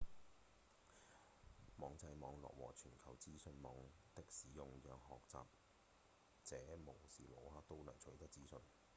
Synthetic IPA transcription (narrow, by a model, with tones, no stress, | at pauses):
mɔː˨˧˥ŋt͡sɐ˧jmɔː˨˧ŋlɔ̰ː˨˩k̚wɔ̰ː˨˩t͡ʃʰyː˨˩nkʰɐ˨˩wt͡siː˥sɵ˧nmɔː˨˥ŋt̪ɪ˥k̚siː˨˥jʊ˨ŋjœː˨˩ŋɦɔ̰ː˨k̚t͡sa̰ː˨p̚ | t͡sɛː˨˧˥mo˨˩wsḭː˨lo̰˨˧˥whaː˧˥k̚t̪o˥wlɐ˨˩jt͡ʃʰɵ˨˥ɥt̪ɐ˥k̚t͡siː˥sɵ˧n